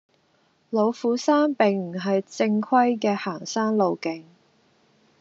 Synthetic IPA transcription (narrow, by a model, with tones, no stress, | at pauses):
lo˨˧wfuː˨˥saː˥npɪ˨˩ŋm̩˨˩ɦɐ˨jt͡sɪ˧ŋkʰwɐ˥jkɛː˧haː˨˩ŋsaː˥nlo˨˧wkɪ˨˧ŋ